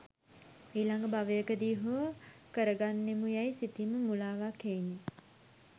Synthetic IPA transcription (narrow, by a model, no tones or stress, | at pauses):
eːilaŋɡəbaʋəjəkəd̪iːɦuəkəɾəɡanːemujajsit̪iməmulaːʋaːkeni